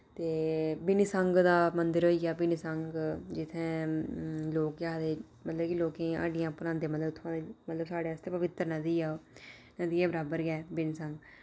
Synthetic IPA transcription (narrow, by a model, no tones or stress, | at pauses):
t̪eːbɪnisəŋɡd̪aːmənd̪əɾɦoːiːɡjaːbɪnisəŋɡd͡ʒɪt̪ʰːẽː | loːkaːd̪eː | mət̪ləbkiloːkẽːa̰ɖɪjãːpəɾãːnd̪eːmət̪ləbt̪ʰʊãːd̪emət̪ləbsaːɽeːəst̪eːpəʋɪt̪ːəɾnəd̪iːɛːoː | nəd̪iːɛːbəɾaːbəɾɡɛːbɪnisə̃ŋɡ